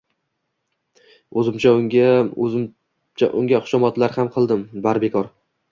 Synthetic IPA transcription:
ɵzɪmt͡ʃʰaʊŋʲa | t͡ʃa̰ʔʊŋɡʲaχʊ̥ʃɒmɒt̪laɾhamqʰɨlˠd̪ɪmbaɾbe̞kʰɒɾ

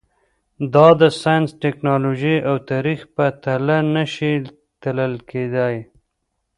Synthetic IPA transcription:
d̪ɑd̪əsɑjənsʈɪknɑloʒiawt̪ɑɾixpət̪alanəʃi | t̪ələlkʰed̪aj

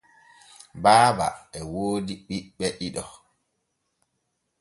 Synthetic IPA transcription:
baːba̰ɛwoːdiɓiɓːɛʔiɗɔ

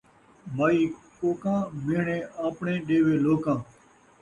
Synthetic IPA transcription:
maːiːkoːkãːmɪːɳẽːaːpɳẽːɗeːʋeːloːkãː

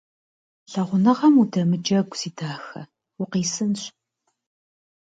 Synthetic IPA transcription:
ɬɐʁʷʊnɨʁɐmudɐmɨd͡ʒɐɡʷsiːdʰaːxɐ̰ | ʊqiːsɨnɕ

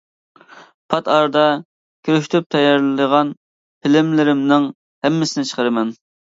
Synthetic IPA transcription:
pʰɑt̪ɑɾd̪ɑ | kʲʰøɾyʃt̪ʰyp̚t̪ʰɛjɑɾlləʁɑn | pʰɪlɪmlɪɾɪmnɨŋ | hɛmːɪsɪnɪt͡ʃʰə̥qʰəɾɨmɛn

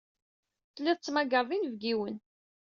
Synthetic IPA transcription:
θlːiðˤt͡sːmæɡəɾˤvinvɡiwən

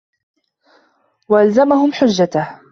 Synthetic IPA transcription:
waʔalzamaɦʊmħʊd͡ʒːat̪ah

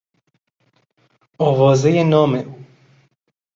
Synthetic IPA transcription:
ɒːvɒːzejenɒːmeʔuː

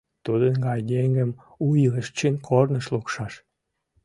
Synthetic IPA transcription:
t̪ud̪ənɡɑjd̪eŋɡəm | uiləʃt͡ɕinkʰornəʃlukʃɑʃ

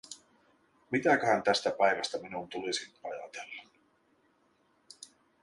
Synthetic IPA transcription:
mit̪ækøhænt̪æst̪æpæjʋæst̪æminunt̪ulisinɑ̰jɑ̰t̪elːɑ

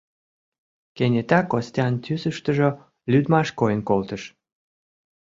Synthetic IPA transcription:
kenʲet̪ɑkosʲt̪ʲɑnt̪ʲysəʃt̪əʒo | lyd̪mɑʃkojənkolt̪əʃ

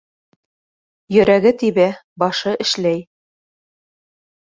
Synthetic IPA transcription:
jɵ̆ɾæɡɘt̪iβæ | bɒʃɤʔɘ̆ʃlæj

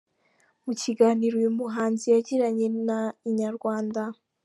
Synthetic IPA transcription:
muciɡaːniɾoimuɦaːnzijaɟiɾaɲe̞naiɲaɾɡwaːnda

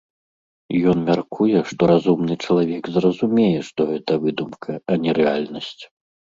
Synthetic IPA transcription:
jɔnmʲarkʰujɛʂt̪ɔɾazumnɨt͡ʂɐlˠavʲɛɡzrɐzumʲɛjɛʂt̪ɔɣɛt̪ɐvɨd̪umkʰɐɐnʲɛɾɛalʲnɐsʲt͡sʲ

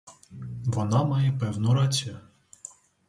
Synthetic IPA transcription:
ʋɔnɑmɑjɛpɛwnʊɾɑt͡sʲa

